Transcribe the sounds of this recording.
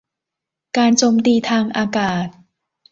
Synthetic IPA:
kaː˧nt͡ɕoː˧mt̪iː˧t̪ʰaː˧ŋʔaː˧kaː˨˩t̪̚

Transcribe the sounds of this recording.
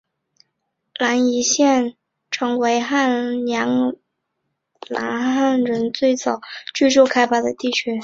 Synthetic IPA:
la˧˥ni˧˥ɕjɛ˥˩n | ʈ͡ʂʰɤ˧˥ŋwe˧˥ɪxa˥˩njɑ˧˥ŋ | la̰˧˥nxa˥˩nɻə˧˥nt͡swe˥˩ɪt͡sɑ˨˩ʊt͡ɕy˥˧ʈ͡ʂu˥˩kʰa˥ɪpa˥d̪ə˨t̪i˥˩t͡ɕʰy˥

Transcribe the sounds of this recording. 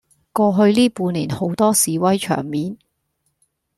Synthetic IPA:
kɔː˧ɦɵ˧ɥliː˥puː˧nlḭː˨˩nho˨˥wt̪ɔː˥siː˨˥wɐ˥jt͡ʃʰœ̰ː˨˩ŋmiː˨˥n

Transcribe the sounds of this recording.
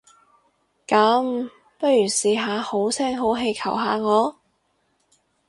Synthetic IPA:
kɐ˨˥m | pɐ˥t̚jyː˨˩siː˧ɦaː˨˧ho˨˥wt͡sʰɛː˥ŋɦo˨˥wɦe˧jkʰɐ˨˩wɦaː˨˧ŋɔː˨˧

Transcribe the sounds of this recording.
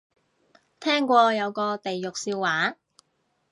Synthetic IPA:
t̪ʰɛː˥ŋkʷɔː˧jɐ˨˧wkɔː˧t̪e˨jjʊ˨k̚siː˧wwaː˨˥

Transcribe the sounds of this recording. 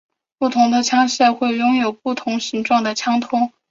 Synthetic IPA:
pu˥˩t̪ʰʊ˧˥ŋd̪ə˧t͡ɕʰjɑ˥ŋɕɛ˥˩xwe˥˩ɪjʊ˥ŋjo˨˩ʊpu˥˩t̪ʰʊ˧˥ŋɕi˧˥ŋʈ͡ʂwɑ˥˩ŋd̪ə˩t͡ɕʰjɑ˥ŋt̪ʰʊ˥ŋ

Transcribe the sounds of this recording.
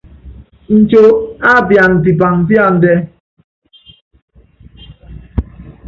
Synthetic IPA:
n̩˨t͡ʃo˦a˦bja˨n̩˨di˨ba˨ŋ̩˨bja˦˨n̩˨de˦

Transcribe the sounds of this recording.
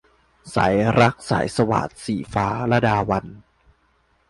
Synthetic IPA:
sa̰˩˦jɾa˦˥k̚sa̰ː˩˦jsa˧wa̰ː˨˩t̪̚siː˨˩faː˦˥ɾa˧daː˧wa˧n

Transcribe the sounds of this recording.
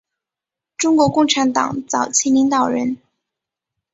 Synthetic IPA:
ʈ͡ʂʊ˥ŋkwɔ˧˥kʊ˥˩ŋʈ͡ʂʰa˧˥nt̪ɑ̰˨˩˦ŋt͡sɑ˨˩ʊt͡ɕʰi˥li˧˥ŋt̪ɑ˨˩ʊɻə˧˥n

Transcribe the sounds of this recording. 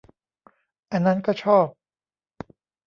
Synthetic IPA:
ʔa˧nːa˦˥nkɔː˥˩t͡ɕʰɔː˥˩p̚

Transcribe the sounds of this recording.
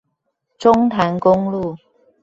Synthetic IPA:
ʈ͡ʂʊ˥ŋt̪ʰa˨˦˥nkʊ˥ŋlu˥˩

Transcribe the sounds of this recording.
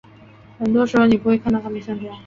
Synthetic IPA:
xə˨˩nt̪wɔ˥ʂɻ̩˧˥xo˧ni˨˩pu˧˥we˧ɪkʰt̪ɑ˥˩t̪ʰa˥mə˨˧˩ɕjɑ˥˧ŋpa˥˩

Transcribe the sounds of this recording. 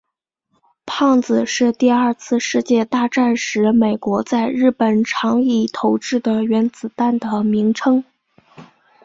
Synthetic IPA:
pʰɑ˥˩ŋd͡zɹ̩˨˩ʂɻ̩˥˧t̪i˥˧ɐ˞˥˧t͡sʰɹ̩˥˧ʂɻ̩˥˧t͡ɕjɛ˥˧t̪a˥˧ʈ͡ʂa˥˩nʂɻ̩˧˥me˨˩ɪkwɔ˧˥t͡sa˥˧ɪɻɻ̩˥˩pə˨˩nʈ͡ʂʰɑ˧˥ŋi˥˩t̪ʰo˧˥ʊʈ͡ʂɻ̩˥˩d̪ə˩ɥɛ˧˥nt͡sɹ̩˨˩t̪a˥˩nd̪ə˩mi˧˥ŋʈ͡ʂʰɤ˥ŋ

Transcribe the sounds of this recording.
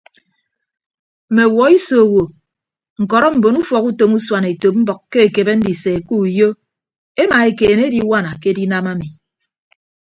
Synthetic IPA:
m̩˨me˨wɔ˨˦i˦so˨wo˨ | ŋ̩˨kɔ˨ɾɔ˦m̩˨bo˨nu˦fɔ˨ku˦to˨mu˦swa˨ne˨to˨p̚m̩˦bɔ˨kːkːe˦e˨ke˨be˦n̩˦di˨se˨ku˦˨jo˦ | e˦ma˨e˨keː˨n˦e˦di˦wa˦na˨ke˦di˦na˦ma˦mi˨

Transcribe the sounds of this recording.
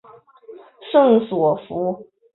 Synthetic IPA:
ʂɤ˥˩ŋswɔ˨˩fu˧˥

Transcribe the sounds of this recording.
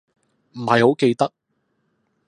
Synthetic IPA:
m̩˨˩hɐ˨jho˨˥wke˧jt̪ɐ˥k̚

